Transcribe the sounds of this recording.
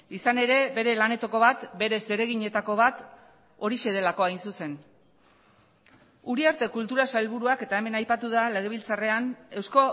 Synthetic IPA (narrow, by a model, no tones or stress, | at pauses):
isane̞ɾe̞be̞ɾe̞lane̞t̪o̞ko̞βat̪be̞ɾe̞se̞ɾe̞ɣiɲe̞t̪ako̞β̞at̪ | o̞ɾiʃe̞ð̞e̞lako̞ajnsuse̞n | uɾiaɾt̪e̞kult̪uɾasajlβuɾuake̞t̪ae̞me̞najpat̪uðale̞ɣ̞e̞β̞ilt͡sare̞ane̞wsko̞